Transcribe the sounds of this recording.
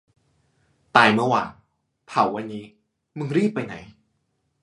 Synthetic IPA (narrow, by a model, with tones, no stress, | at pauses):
t̪aː˧jmɯ˥˩waː˧ŋ | pʰa˨˩˦wːa˧nːiː˦˥ | mɯ˧ŋɾiː˥˩pːa˧jna̰˩˦j